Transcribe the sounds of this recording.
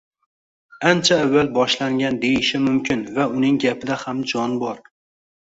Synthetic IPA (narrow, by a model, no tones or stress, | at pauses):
ant͡ʃʰaːvːalbɒʃlaŋɡʲand̪ejɪʃɪmʊmkʲʰɪnvaʊnɪŋɡʲapʰɪd̪ahamd͡ʒɒnbɒɾ